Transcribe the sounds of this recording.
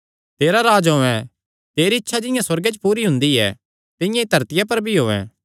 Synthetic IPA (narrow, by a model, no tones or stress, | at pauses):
t̪eːɾaɾaːd͡ʒɦoːɛ̃ | t̪eːɾiɪtːʃʰad͡ʒɪ̃jãswɐɾɡɛt͡ʃpuːɾiɦʊ̃nd̪iɛ̰ | t̪ɪ̃jãid̪ʱɐɾt̪ɪjap̬ɐɾbʱiɦoːɛ̰̃